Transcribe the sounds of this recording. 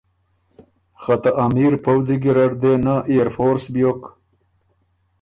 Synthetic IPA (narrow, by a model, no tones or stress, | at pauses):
xat̪aʔamiɾpawziɡiɾɐɖd̪enaʔejɾfoːɾsbjok